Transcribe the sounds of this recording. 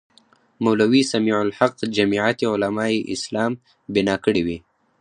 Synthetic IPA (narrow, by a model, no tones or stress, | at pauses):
mawlawisamiʕʊlħaq̚d͡ʒamiʕat̪iʊlamɑeʔɪ̰slɑm | bɪnɑkəɽiwi